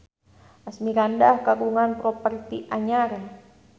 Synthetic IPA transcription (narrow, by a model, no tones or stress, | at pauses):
ʔasmiɾandahkaɡuŋanpɾɔpərt̪iʔaɲaɾe